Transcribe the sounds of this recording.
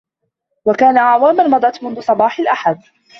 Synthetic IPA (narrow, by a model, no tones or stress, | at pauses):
wakaːnaʕawaːmanmɑd̪ˤɑt̪mʊnðʊsˤɑbɑːħalʔaħad̪̚